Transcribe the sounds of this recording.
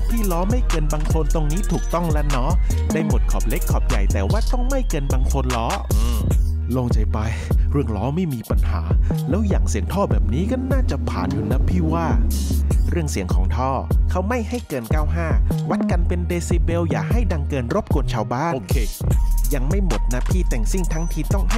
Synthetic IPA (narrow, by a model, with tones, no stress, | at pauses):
pʰiː˥˩lɔː˦˥ma˥˩jkɤː˧nbaː˧ŋkʰo˧nt̪o˧ŋniː˦˥t̪ʰuː˨˩k̚t̪ɔ˥˩ŋlɛ˦˥nɔ˦˥ | daː˥˩jmo˨˩t̪̚kʰɔː˨˩p̚le˦˥kʰːɔː˨˩p̚ja˨˩jt̪ɛː˨˩waː˥˩t̪ɔ˥˩ŋma˥˩jkɤː˧nbaː˧ŋkʰo˧nlɔː˦˥˧ | loː˧ŋt͡ɕa˧jpa˧j | ɾɯ˥˩əŋlɔː˦˥ma˥˩jmiː˧pa˧nha̰ː˩˦lɛː˦˥wjaː˨˩ŋsi˨˩˦əŋt̪ʰɔː˥˩bɛː˨˩p̚niː˦˥ka˥˩nnaː˥˩t͡ɕa˨˩pʰa̰ː˨˩nju˨˦lːɛ˦˥pʰiː˥˩waː˥˩ | ɾɯ˥˩əŋsi˨˩˦əŋkʰɔː˩˦ŋt̪ʰɔː˥˩kʰa˦˥wma˥˩jha˥˩jkɤː˧nkaː˥˩wɦaː˥˩wa˦˥t̪̚ka˧npe˧ndeː˧siː˧be˧wjaː˨˩k̚ha˥˩jda˧ŋkɤː˧nɾo˦˥p̚ku˧nt͡ɕʰaː˧wbaː˥˩ʔnkʰe˧ja˧ŋma˥˩jmo˨˩t̪̚na˦˥pʰiː˥˩t̪ɛː˨˩ŋsi˥˩ŋt̪ʰa˦˥ŋt̪ʰiː˧˩t̪ɔ˥˩ŋha˥˩